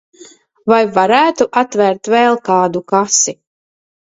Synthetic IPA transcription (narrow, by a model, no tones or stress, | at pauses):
vajvaɾæːt̪uʔat̪væɾt̪vɛːlˠkaːd̪ukasi